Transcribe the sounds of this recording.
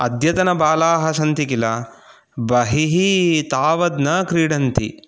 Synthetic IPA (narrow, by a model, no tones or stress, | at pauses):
ɐd̪ʱjɐt̪ɐnɐbaːlaːɦɐsɐnt̪ikilɐ | bɐɦiɦit̪aːʋɐd̪nɐkɾiːɽɐnt̪ḭ